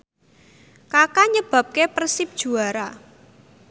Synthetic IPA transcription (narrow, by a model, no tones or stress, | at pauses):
kakaɲəb̥ä̤p̚kepərsɪp̚d̥ʒ̥ṳaɾa